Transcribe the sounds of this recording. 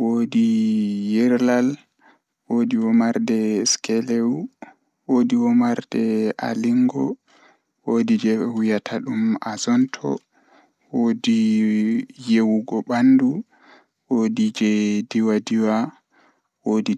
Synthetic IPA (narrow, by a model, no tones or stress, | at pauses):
wodijɛɾlal | wodiwɔmaɾdɛskɛlew | wodiwɔmaɾdɛa̰liŋɡɔ | wodid͡ʒɛwujatʰaɗumazɔntʰɔ̰ | wodi | jewuɡɔɓandu | wodid͡ʒɛdiwadiwa | wodi